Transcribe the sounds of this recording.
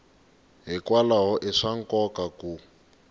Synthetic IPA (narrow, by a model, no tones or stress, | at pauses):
ɦikwalaɦɔʔiʂaŋ̩kɔkaku